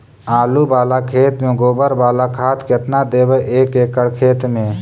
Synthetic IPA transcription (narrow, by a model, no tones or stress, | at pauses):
aːlubaːlakʰeːt̪mẽɡoːbəɾbaːlakʰaːt̪kɪt̪nad̪eːbəʔeːkeːkəɽkʰeːt̪mẽ